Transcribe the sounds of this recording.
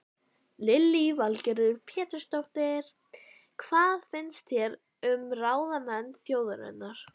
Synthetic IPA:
lɪlːivalcɛɾʏɾpʰjɛːt̪ʏ̥st̪ɔknɪɾ̥ | kʰv̥aːðfɪnst̪θjɛɾ | ʏmraːwðamɛnːθjoːwðʏɾɛ̰nːaɾ̥

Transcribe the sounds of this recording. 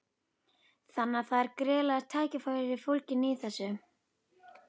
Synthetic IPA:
θanːaθaðɛɾkɾɛːlaɾ̥t̪ʰaːjcɪfaːjɾɪɾɪfowlcɪniθɛsːʏ

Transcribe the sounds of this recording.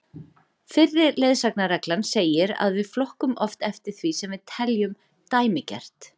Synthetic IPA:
fɪrːɪɾlejðsaknaɾɛklanseːjɪɾa̰ðvɪðflɔhkʏmɔft̪ɛft̪ɪɾ̥θvisɛmvɪðt̪ʰɛljʏm | t̪aːjmɪcɛ̰r̥t̪

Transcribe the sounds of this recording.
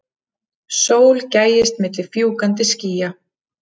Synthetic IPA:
soːwlcaːjɪst̪mɪːt̪lɪ̥fjuːkant̪ɪsciːja

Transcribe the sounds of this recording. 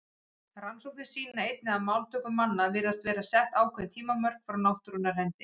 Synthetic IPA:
ransowk̚nɪ̥siːnnaejt̪nɪaðmaːwlt̪ʰœːkʏmːanːavɪːɾast̪vɛːɾasɛht̪aːwkʰvɛnt̪ʰiːmamœr̥kfɾawnawht̪ʏɾʏnːar̥hɛnt̪ɪ

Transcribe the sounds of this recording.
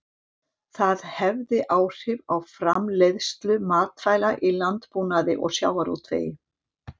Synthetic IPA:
θaðhɛvðɪʔaːwr̥ɪvawfɾamlejðst̪lʏmaːt̪faːjlaʔilant̪punaðɪʔɔ̰ɣsja̰ːwaɾṵt̪ʰvḛːjɪ

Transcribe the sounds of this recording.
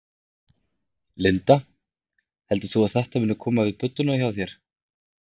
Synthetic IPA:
lɪnt̪a | hɛlt̪ʏ̥θuaðθɛht̪amɪːnːʏkʰɔːmavɪðpʏt̪ːʏnaçjawθjɛɾ̥

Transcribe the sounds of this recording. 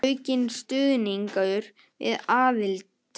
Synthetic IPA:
ɥcɪnst̪ʏːðniŋkaðʏɾ | vɪ̰ðaːðɪlt̪

